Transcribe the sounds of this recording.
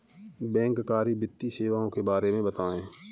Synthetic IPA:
bɛ̃ːŋkkaːɾibɪt̪ːiseːʋaːõkebaːɾemẽbət̪aːẽː

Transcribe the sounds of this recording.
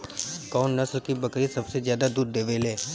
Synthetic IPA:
kɔːnːɐslkibɐkɾisɐbsezjaːd̪ad̪uːd̪d̪eːʋeːleː

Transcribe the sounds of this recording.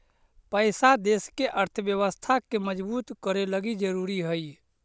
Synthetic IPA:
pəjsad̪eskeʔəɾt̪ʰəbjəβəst̪ʰakeməd͡ʒbuːt̪kəɾeləɡid͡ʒəɾuɾiɦəj

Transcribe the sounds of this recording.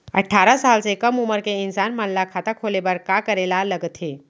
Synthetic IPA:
ɐ̰ʈʰaːɾasaːlsekɐmʊməɾkeɪnsaːnmɐnlːakʰaːt̪akʰoːlebəɾkaːkəɾeːlalɐɡt̪ɦeː

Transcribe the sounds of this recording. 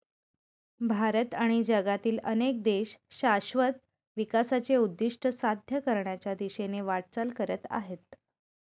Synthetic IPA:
bʱaɾət̪aɽ̃id͡ʑəɡat̪iːlənek̚d̪eɕɕaɕʋət̪̚ | ʋikasat͡ɕeud̪ːiʂʈʰəsad̪ʱjəkəɾɳjat͡ɕjad̪iɕeneʋaɽ̚t͡salkəɾət̪a̰ɦet̪̚

